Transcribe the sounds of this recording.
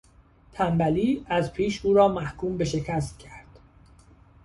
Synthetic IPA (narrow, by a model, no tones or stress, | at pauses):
t̪ʰæmbæliːæzpʰiːʃuːɾɒːmæhkʰuːmbe̞ʃe̞cʰæst̪̚cʰæɾd̪̥